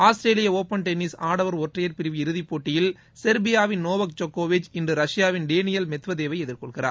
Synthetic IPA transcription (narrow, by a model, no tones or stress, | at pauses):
aːsʈɾeːlɪjɐoːpːɐnʈɛnːɪsaːɽɐʋɐɾɔʈrɐjɐɾpɪɾɪʋiɪɾɯðipːoːʈːɪjɪl | sɛɾbɪjaːʋɪnnoːʋɐk̚t͡ʃokːoːʋɪt͡ʃɪndrɯɾɐʂjaːʋɪnɖeːnɪjɐlmɛt̪ʋɐðeːʋɐɪɛðɪɾkɔɭɣɪra̰ː